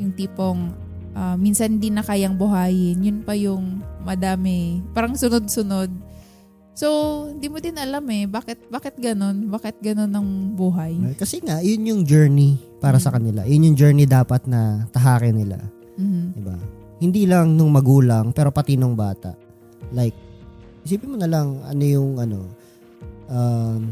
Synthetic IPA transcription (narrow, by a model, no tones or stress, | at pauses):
jʊnt̪iːpoŋ | ʔɐmiːnsɐnhɪnd̪inɐkaːjɐŋbʊɦaːjɪnjʊnpɐjʊŋmɐd̪aːmɛpaːɾɐŋsʊnod̪̚sʊno̞d̪̚ | so̞hɪnd̪iːmod̪ɪnʔɐlamɛbaːkɪt̪̚baːkɛt̪̚ɡɐno̞nbaːkɪt̪̚ɡɐno̞nɐŋbuːɦɐjkɐsɛŋajʊnjʊŋd͡ʒɛɹnipaːɾɐsɐkɐnɪla̰jʊnjʊŋd͡ʒɛɹnid̪aːpɐt̪̚nɐt̪ɐɦaːkɛnɪla̰ | m̩ːh̩d̪ɪba̰ | hɪnd̪iːlɐŋnʊŋmɐɡuːlɐŋpɛːɾo̞pɐt̪ɪnoŋbaːt̪ɐ̰ʔ | lajk̚ | siːbɪmonɐlɐŋʔɐ̰nojʊŋʔɐno̞ | ʔam